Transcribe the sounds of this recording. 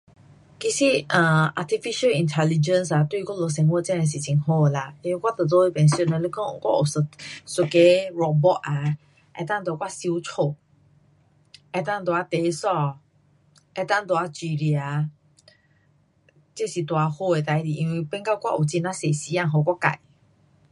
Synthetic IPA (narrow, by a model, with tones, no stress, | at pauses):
ki˧si˦ə̃˧˨a˧t̪ʰi˧fi˦ʃə˦lĩ˧ntʰɛ˧li˧d͡ʒə˧nsa˨t̪wu˦i˧kʷa˦lo˧s̬ɛ̃˧ŋwə˦˨t͡sɛ̃˦˧e˧s̬i˨t͡ɕi˧˨ŋɦo˧˨la˧t̪e˧kwa˦t̪ə˨t̪o˦e˧˦pɛ̃˨nsu˧˨nə˧le˦kɔ˦kwa̰˦o˨sə˧˨su˨˧ke˧˦ɹɔ˧k̚bɔ˦ʔa˨ | ʔɛ̰˧t̪ã˦ŋt̪̬a˨˧kwa˦si˧u˦t͡sʰo˧˨ | ɛ˧t̪ã˦˧ŋt̪wa˨˧˦t̪e˨˦sɔ˧ | ɛ˧t̪ã˦ŋt̪wa˧t͡ɕi˧˨ɾi˨a˨ | t͡se˦˨si˨t̪wa˨˧ho˧e˨t̪a˨jd̪i˨ʔĩ˧nwi˧pɛ˦ŋka˦kʷwa̰˦ʔu˨t͡si˧nã˦se˨si˧˦ã˧˨ɦo˧˨kwa˦ka̰˨j